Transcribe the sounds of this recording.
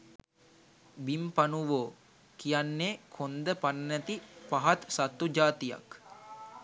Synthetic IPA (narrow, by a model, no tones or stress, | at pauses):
bimpanuʋoː | kijanːeːkʰond̪əpanːæt̪ipaɦat̪sat̪ːud͡ʒaːt̪ija̰k